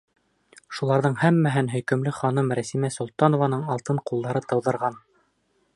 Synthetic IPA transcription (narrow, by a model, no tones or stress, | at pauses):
ʃulˠɑɾðɤɴhæmːæɦɘnɦɵ̆jkɵ̆mlɘχɑnɤmɾæsimæsŏlˠt̪ɑnŏvɑnɤɴɑlˠt̪ɤɴqulˠd̪ɑɾɤt̪ɤ̆wðɤ̆ɾʁɑn